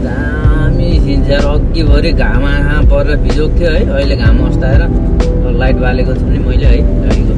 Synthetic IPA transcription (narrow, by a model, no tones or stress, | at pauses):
ɡa | misint͡sʰʌɾʌɡibʱʌɾiɡʱamakʰãpʌɾeɾʌbʱid͡zok̚t̪ʰjoɦʌjʌjleɡamʌst̪aeɾʌ | lajʈbʱalekot͡sʰʌnimʌjleɦʌjaɽiko